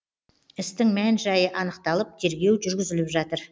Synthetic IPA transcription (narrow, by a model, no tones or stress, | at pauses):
ɪst̪ɪŋmænʒɑjəʔɑnəqt̪ɑlˠəp̚t̪ʰe̞ɾɡʲe̞wʒʏɾɡʲɪzɪlɪpʒɑt̪əɾ